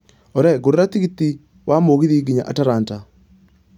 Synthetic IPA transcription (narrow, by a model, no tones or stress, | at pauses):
ɔɾɛɡoɾoɾatiɣiti | wʔamoɣiðiɡiɲa̰ʔataɾaːnta